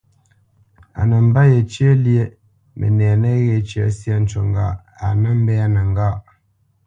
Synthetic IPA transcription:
a̰˨nə˨m̩˦ba˦je˨t͡ʃi˦e˦lje˦ | mʔə̰˨nɛ˨a˨nə˦ɣe˨t͡ʃi˦a˦si˦a˦n̩˦t͡ʃɔ˨ŋɡa˦˨ | a˨nə˦m̩˦bɛ˦a˦nə˨ŋ˦ɡa˦˨

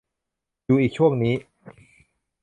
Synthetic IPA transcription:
juː˨˩ʔiː˨˩k̚t͡ɕʰu˥˩əŋniː˦˥

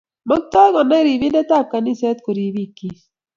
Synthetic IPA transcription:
mɔ˦k̚t̪ɔ˦ŋɔ˨na˦ɾi˨βi˦ndɛ˦ta˦˨p̚ka˨ni˦se˦t̪ko˨ɾi˨βi˦˨ki˦s

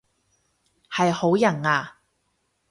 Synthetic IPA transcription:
hɐ˨jho˨˥wjɐ˨˩naː˧

